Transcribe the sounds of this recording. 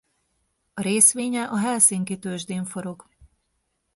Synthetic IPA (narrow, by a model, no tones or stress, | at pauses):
ɒɾeːsʋeːɲɛʔɒɦɛlsiːŋkit̪øːʒd̪eːɱfo̞ɾo̞k